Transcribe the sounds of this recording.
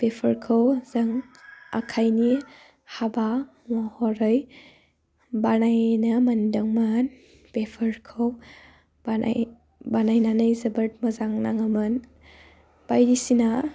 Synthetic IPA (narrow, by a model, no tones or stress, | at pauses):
pepʰɐɾkʰɯwzɐŋa̰kʰajni | haba | mahɔɾɯj | banajnɐmɐndɯŋman | pepʰəɾkʰəw | baa̰j | banajnanɯjzɐbɐt̚mɐzaŋnaŋɐmɯn | b̥ajɾisina